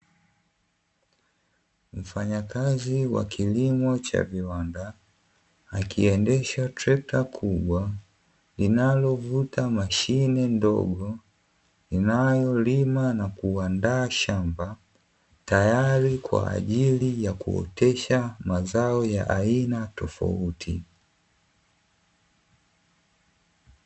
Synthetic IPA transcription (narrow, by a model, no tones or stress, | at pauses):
m̩faɲakaziwa̰kʰilimɔt͡ʃa̰viwandaː | kʰiɛndɛʃatɾɛp̚takʰuɓwa | linalɔvutamaʃinɛndɔ̰ɡɔ | linajɔlimanakuandaːʃamba | tajaɾikwa̰ːʄilijakṵɔ̰tɛʃamazaɔjaʔainatɔfa̰utʰḭ